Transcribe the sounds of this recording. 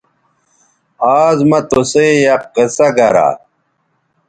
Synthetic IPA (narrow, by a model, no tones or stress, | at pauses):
aːzmɐt̪osejɐqqəsɐɡɐɾa̰